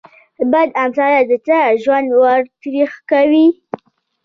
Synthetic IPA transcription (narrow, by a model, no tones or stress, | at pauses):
bad̪amsɑɾad̪ət͡saʒwand̪waɾt̪ɾixkawi